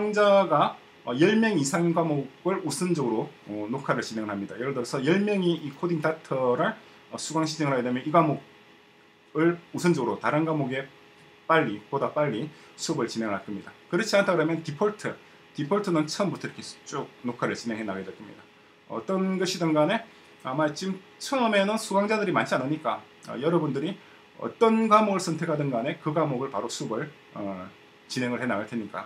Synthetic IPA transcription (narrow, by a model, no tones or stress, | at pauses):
sʰaŋd͡ʑaɡa | ʌjʌɭmjʌŋisʰaŋnɡamoɡɯɭusʰɯnd͡ʑʌɡɯɾoʌnokʰaɾɯɭt͡ɕine̞ŋɯɭɦamɲida̰jʌɾɯɭdɯɾʌsʰʌjʌɭmjʌŋiikʰodiŋt͈atʰʌɾɯɭ | ʌsʰuɡwaŋɕʰid͡ʑeŋɯɭɦaɡedemjʌniɡamoɡ̚ | ɯɭusʰɯnd͡ʑʌɡɯɾotaɾɯnɡamoɡe̞ | p͈aʎːipodap͈aʎːi | sʰubɯɭt͡ɕine̞ŋɭhak͈ɯmɲidakɯɾʌt͡ɕʰiantʰaɡɯɾʌmjʌntipʰʌɭtʰɯ | tipʰʌɭtʰɯnɯnt͡ɕʰʌmbutʰʌiɾʌkʰe̞t͡ɕ͈uk̚nokʰaɾɯɭt͡ɕine̞ŋɦe̞nːaɡedwet͈ʰɯmɲḭda | ʌ̰t͈ʌnɡʌɕʰidɯnɡane̞ | amat͡ɕim | t͡ɕʰʌɯmenɯnsʰuɡaŋd͡ʑadɯɾimant͡ɕʰianɯɲik͈a | ʌ̰jʌɾʌbundɯɾi | ʌ̰t͈ʌnɡamoɡɯɭsʰʌntʰe̞kʰadɯnɡane̞kɯɡamoɡɯɭpaɾosʰubɯɭ | ʌ | t͡ɕine̞ŋɯɭhe̞naɡɯɭtʰeɲik͈a̰